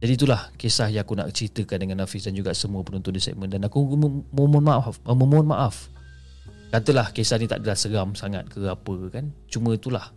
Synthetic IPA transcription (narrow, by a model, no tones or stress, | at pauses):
d͡ʒadit̪ulahkesahjãŋakuna̰ʔt͡ʃɾit̪əkandəŋanːafisdand͡ʒuɡasəmuəpənũnt̪ʊndisa̰t̪̚mə̃ndanakumomɔnmaʔafəməm̃nmaʔaf | kat̪əlahkesahnĩt̪a̰ʔdəlahsəɡamsaŋa̰t̪̚kəɣapəkant͡ʃumə̃t̪ulah